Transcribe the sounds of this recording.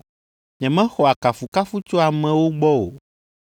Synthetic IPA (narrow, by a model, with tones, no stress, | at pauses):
ɲɛ̃˨mɛ̃˦xɔ˨a˨ka˨fu˨ka˦fu˦t͡ʃo˦a˨mɛ̃˨wo˦ɡ͡bɔ˦o̰˨